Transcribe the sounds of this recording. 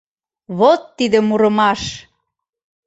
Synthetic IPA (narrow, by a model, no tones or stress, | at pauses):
βot̪ːid̪ə̆muɾə̆mɑʃ